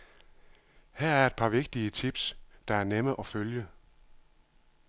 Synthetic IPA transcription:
hæɐ̰æɐed̥̚pʰɑ̈ʋe̝ɡ̥̚d̥iət͡sʰib̥sd̥ɑ̈æɐneməʔɒ̽føljə

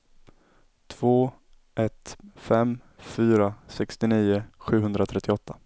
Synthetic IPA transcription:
t̪ʰv̥oː | ʔɛt̪fɛm | fyːɾasɛkst̪ɪniːʊɧʉ̟ːɦɵnd̪ɾat̪ʰɾɛt̪ʰːɪɔt̪ʰːa

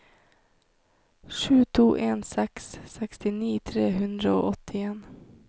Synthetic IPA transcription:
ʂʉ̟ːt̪ʰuːʔeːnsɛksːɛkst̪ɪniːt̪ʰɾeːɦɵnd̪ɾao̰ʔɔt̪ʰːɪeːn

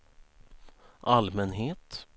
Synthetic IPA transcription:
ʔalmɛnɦeːt̪

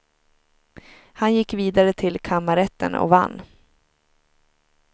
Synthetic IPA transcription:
hanjɪkːviːd̪aɾət̪ʰɪlkʰamaɾɛt̪ːə̰nɔ̰va̰nː

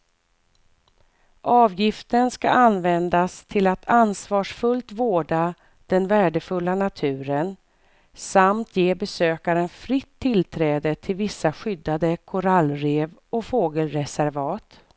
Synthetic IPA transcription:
ʔɑːvjɪft̪ənskaanːvɛnd̪ast̪ʰɪlat̪ʰansvɑːʂfɵlt̪voːɖa | d̪̥ɛnvæːɖəfɵlːanat̪ʰʉ̟ːɾən | samt̪ʰjeːbɛsøːkaɾənfɾɪt̪ʰːɪlt̪ʰɾɛːd̪ət̪ʰɪlvɪsːaɧʏd̪ːad̪əkʰʊɾalːɾeːvɔfoːɡəlɾɛsæɾvɑːt̪

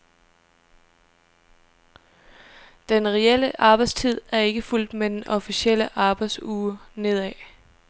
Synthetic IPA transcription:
d̥enʁɛel̰əʔɑ̈ːb̥ɑ̈ɪ̥st͡sʰið̞̰ˠæɐe̝ɡ̥əful̰d̥med̥enʔɒ̽fisiel̰əʔɑ̈ːb̥ɑ̈ɪd̥suːne̝ð̞̰ˠɛ

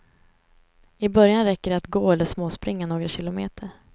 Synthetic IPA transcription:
ɪbœɾjanɾɛkːəɖat̪ɡoːɛlːəʂmoːspɾɪŋːanoːɡɾaɕɪlʊmḛːt̪ʰəɾ

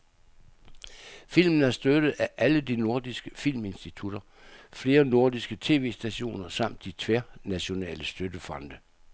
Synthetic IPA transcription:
fil̰mn̩æɐsd̥ød̥ð̩ˠæʔæləd̥ino̝ɐd̥isɡ̥əfil̰me̝nsd̥it͡sʰud̥ɐ | fle̝ːɐno̝ɐ̰d̥isɡ̥ət͡sʰe̝̰ːʋe̝̰ːsd̥æɕo̝̰ːnɐsɑ̈m̰d̥ːit͡sʰʋeɐnæɕo̝nɛ̰ːləsd̥ød̥əfɒ̽nd̥ə

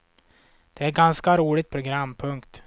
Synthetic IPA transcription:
d̪̥ɛæɾɡanskaɾuːɭɪt̪̚pʰɾʊɡɾamːpʰɵŋkt̪

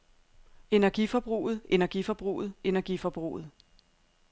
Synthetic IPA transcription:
e̝næɐɡ̥ifɒ̽b̥ʁṵːð̩ˠe̝næɐɡ̥ifɒ̽b̥ʁṵːð̞̩ˠe̝næɐɡ̥ifɒ̽b̥ʁṵːð̞̩ˠ

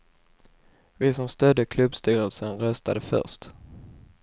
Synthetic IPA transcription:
vɪsɔmst̪œd̪ːəkʰlɵbst̪yːɾəlsənɾœst̪ad̪əfœ̰ʂt̪

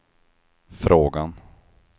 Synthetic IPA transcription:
fɾoːɡan

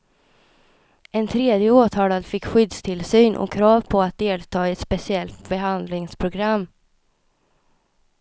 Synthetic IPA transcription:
ʔɛnt̪ʰɾeːd̪jəoːt̪ʰɑːlad̪fɪkːɧʏd̪st̪ʰɪlsyːnʔɔ̰kʰɾɑːvpʰɔat̪̚d̪eːlt̪ʰɑːɛt̪spɛsɪɛlt̪bɛɦand̪lɪŋspʰɾʊɡɾamː

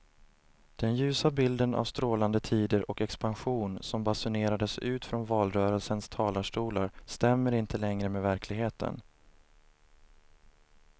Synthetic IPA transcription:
d̪̥ɛnjʉ̟ːsabɪld̪ənʔa̰vst̪ɾoːland̪ət̪ʰiːd̪əɾʔɔkɛkspanɧuːnsɔmbasʊneːɾad̪əsʉ̟ːt̪fɾɔnvɑːlɾœːɾəlsənst̪ʰɑːlaʂʈuːlaɾst̪ɛmːəɾɪnt̪ʰəlɛŋɾəmeːvæɾklɪɡheːt̪ʰə̰n

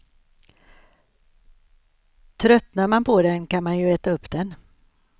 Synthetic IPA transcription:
t̪ʰɾœt̪naɾmanpʰɔd̪ɛnkanmanjɵɛːt̪aɵpːd̪̥ɛn

